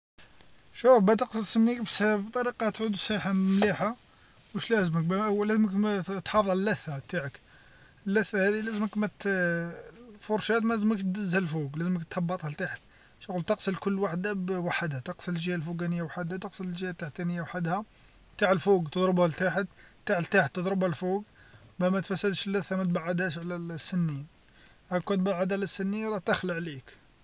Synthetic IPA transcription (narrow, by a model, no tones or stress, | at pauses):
ʃufbæt̪əqsəlsənːikbsbt̪ˤɑɾiqɑt̪ʕud̪usˤiħamliħa | wəʃlæzmək̚bæʔwlæzməkt̪ħɑfəðˤʕalælːæθːat̪aʕək | əlːæθːæhæd̪ilæzməkmæt̪ | foɾˤʃæt̪mælzəməkt̪d̪əzːhælfuɡlæzməkt̪ɑbːɑt̪ˤhælt̪aħət̪ | ʃqult̪əqsəlkʊlːwaħd̪abwaħəd̪hæt̪əqsələʒəhælfuɡænəjːawaħəd̪hæt̪əqsəllʒjæt̪ːaʕt̪ːænəjːawħəd̪hæ | t̪aʕəlfuɡt̪əd̪ˤɾəbhælt̪aħət̪t̪ːaʕlt̪aħət̪ːəd̪ˤɾəbælfuɡ | bæmæt̪fæsːəd̪ʃəlːæθːæmæt̪̚baʕːəd̪æʃʕlæsːənːin | ʔækːunt̪baʕːəd̪ʕlæsːənːiɾˤɑt̪əxləʕlik